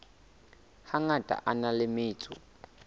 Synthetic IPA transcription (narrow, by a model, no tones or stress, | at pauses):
haŋatʼa̰ʔanalɪmɪːt͡sʼu